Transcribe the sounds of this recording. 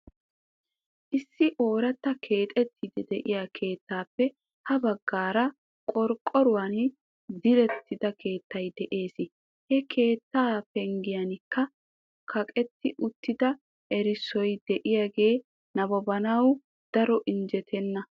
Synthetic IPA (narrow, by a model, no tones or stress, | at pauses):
ʔɪsːɪʔo̞ːɾɐt̪ːɐkʰe̞ːt̪ʼɛt̪ːɪd̪ɛd̪ɛʔɪjaːkʰe̞ːt̪ːaːpːɛ | hɐbɐɡːaːɾɐ | kʼɔɾkʼːɔɾʊwɐn | d̪ɪlɛt̪ːɪd̪ɐkʰe̞ːt̪ːɐjd̪ɛʔe̞ːsɪ | hɛkʰe̞ːt̪ːaːpɛŋɡɪjɐnɪkːɐ | kʰɐkʼɛt̪ːɪʔʊt̪ːɪd̪ɐ | ʔɛɾɪsɔjd̪ɛʔɪjaɡe̞ː | nɐbɔbɐnɐw | d̪̥ɐɾɔʔɪnd͡ʒɛt̪ʰɛnːɐ